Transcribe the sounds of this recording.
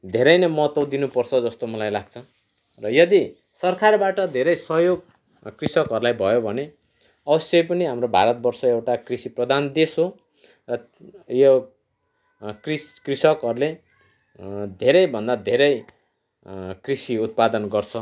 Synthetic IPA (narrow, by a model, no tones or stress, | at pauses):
d̪ʱeɾʌjnʌmʌt̪ʌd̪inupʌrt͡sʰʌd͡zʌst̪omʌlajlaɡ̚t͡sʰʌ | rʌjʌd̪i | sʌrkʰarbaʈʌd̪ʱeɾʌjsʌɦjoɡ | krisʌkɦʌɾulajbʱʌjobʱʌne | ʌbʌsjʌjpʌniɦamrobʱa̰ɾʌt̪̚bʌrsʌewʈakrisiprʌd̪ʱand̪esɦo | rʌ | jo | kriskrisʌkɦʌɾule | d̪ʱeɾʌjbʱʌnd̪ad̪ʱeɾʌj | krisiut̪̚pad̪ʌnɡʌrt͡sʰʌ